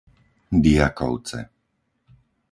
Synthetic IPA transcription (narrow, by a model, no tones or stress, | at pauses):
d̪iakɔ̰ʊt͡sɛ̰